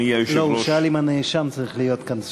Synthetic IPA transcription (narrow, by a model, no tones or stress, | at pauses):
ʃloʃalimaneʃamt͡saʁiχlijo̞t̪kans